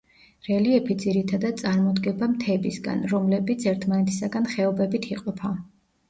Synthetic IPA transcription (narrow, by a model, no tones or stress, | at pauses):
ɾɛliɛpʰid̪ziɾit̪ʰad̪ad̪̥t̪sʼaɾmɔd̪ɡɛbamt̪ʰɛbisɡa̰nɾɔmlɛbit̪sʰɛɾt̪ʰmanɛt̪ʰi̥saɡanχɛɔbɛbit̪ʰiqʼɔpʰa